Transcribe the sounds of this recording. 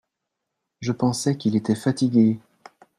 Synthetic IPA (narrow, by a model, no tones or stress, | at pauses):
ʒəpɑ̃sɛkʲilet̪ɛfat̪iɡʲe